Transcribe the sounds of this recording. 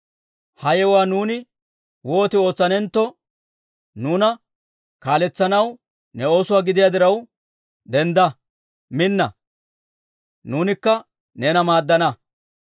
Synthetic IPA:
hɐjɛwaːnuːnɪ | wo̞ːt̪ɪo̞ːt͡sːɐnɛnt̪ːɔ | nuːnɐ | kaːlɛt͡sːɐnɐw | nɛo̞ːsʊwaːɡɪd̪ɪjad̪ɪɾɐw | d̪ɛnd̪ɐ | mɪnːɐ̰ | nuːnɪkːɐ | ne̞ːnɐmaːd̪ːɐnɐ

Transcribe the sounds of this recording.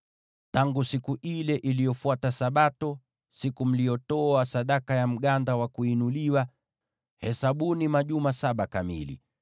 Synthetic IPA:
taŋɡusikuʔilɛʔilijɔfuatasaɓatɔ | sikum̩lijɔtɔasaɗakajam̩ɠandawakuinuliwa | hɛsaɓunimaʄumasaɓakamḭlḭ

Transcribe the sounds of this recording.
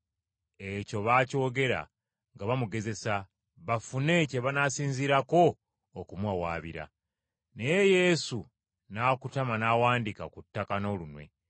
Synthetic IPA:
e̞co̞βaːco̞ːɡe̞ɾa̰ | ŋɡaβamuɡe̞ze̞sa | βafune̞ceβanasiːnziɾako̞ː | kumwawaːβiɾa̰ | ne̞je̞je̞ːsu | nakutamanawaːndikakutːakano̞lunwe̞̰

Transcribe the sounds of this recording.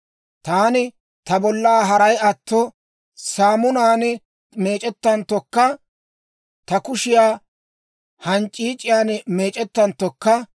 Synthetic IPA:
t̪aːnɪ | t̪ɐbɔlːaːɦɐɾɐjɐt̪ːɔ | saːmʊnaːn | me̞ːt͡ʃʼɛt̪ːɐnt̪ːɔkːɐ | t̪ɐkʊʃɪjaː | hɐnt͡ʃʼːiːt͡ʃʼɪjaːnme̞ːt͡ʃʼɛt̪ːɐnt̪ːɔkːɐ

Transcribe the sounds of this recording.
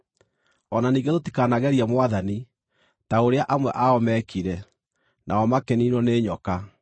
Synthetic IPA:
ɔnaniːɣɡɛðoti̥kaːnaɣɛɾiamwaðani | taoɾeaʔamwɛʔaɔmɛkiɾɛ | nʔaɔmakɛninwɔneːɲɔka

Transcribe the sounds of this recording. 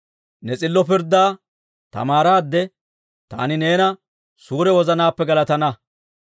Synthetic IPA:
nɛt͡sʼɪlːɔpɪɾd̪ːaː | t̪ɐ̰maːɾaːd̪ːɛ | t̪a̰ːnɪneːnɐ | suːɾɛwɔzɐnaːpːɛɡɐlɐt̪ɐnɐ

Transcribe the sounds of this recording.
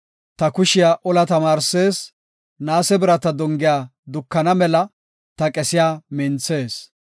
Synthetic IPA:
t̪ɐkʊʃɪjaːʔɔlɐt̪ɐmaːɾseːs | naːsɛbɪɾɐt̪ɐd̪ɔŋɡɪjaːd̪ʊkːɐnɐmɛlɐ | t̪ɐkʼɛsɪjaːmɪnt͡sːe̞ːs

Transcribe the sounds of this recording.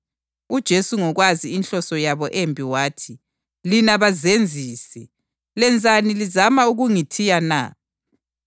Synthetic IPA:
ud̥ʒ̥ʱesuŋɔɣwaziinɬɔsɔjaβɔʔembʱiwaːtʰi | linaβazend͡zʱiːsɛ | lɛnd͡zʱanilizamauɣuŋitʰijana̰

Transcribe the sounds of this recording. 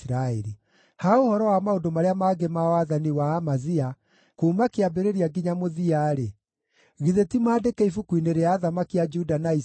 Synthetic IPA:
ɾaeɾi | haohɔɾɔwamaondomaɾeamaːɡemaɔaðaniwaːmazia | kumakeabeɾeɾiaɡiɲamoðiaɾe | ɣiðetimaːdekɛifukwineɾeaːðamakiad͡ʒudanai

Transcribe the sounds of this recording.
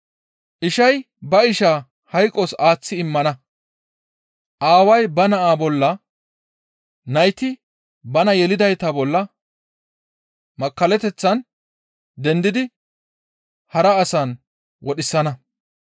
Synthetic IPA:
ʔɪʃɐj | bɐɪʃaː | hɐjkʼːɔsaːt͡sːɪɪmːɐnɐ | ʔaːwɐjbɐnɐʔaːbɔlːɐ | nɐjt̪ɪ | bɐnɐjɛlɪd̪ɐjt̪ɐbɔlːɐ | mɐkːɐlɛt̪ɛt͡sːɐn | d̪ɛnd̪ɪd̪ɪ | hɐɾɐːsɐn | wɔɗɪsːɐnɐ

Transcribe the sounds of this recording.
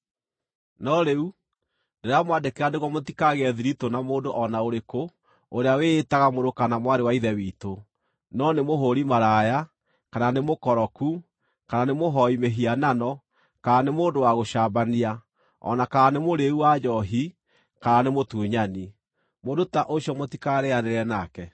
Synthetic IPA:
nɔɾeu | neɾeamwadekeɾaneɣwɔmotikaɣɛðiɾitonamoːdoʔɔnaoɾeko | oɾeaweːtaɣamoɾokanamwaɾewaiðɛwiːto | nɔnemoɦoɾimaɾaja | kananemokɔɾɔku | kananemoɦɔimeɦiananɔ | kaɾanemoːndowaɣoʃaːbania | ɔ̰nakaɾanemoɾeuwad͡ʒɔɦi | kaɾanemotuɲani | moːdotaʔoɕjɔmotikaɾeaneɾɛnakɛ

